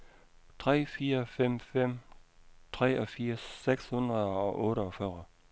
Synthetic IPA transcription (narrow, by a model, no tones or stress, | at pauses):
t͡sʰʁɛ̰ːfiːɐfem̰fem̰ | t͡sʰʁɛ̰ːʔɒfiːɐsːeɡ̥shund̥ʁɐðˠɒ̽ʔɔ̽ːɾəɒfɶːʁɐ